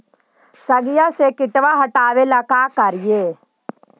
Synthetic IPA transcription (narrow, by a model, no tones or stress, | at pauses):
sɐɡɪjasekɪʈʋaɦɐʈaːʋelakaːkɐɾɪjeː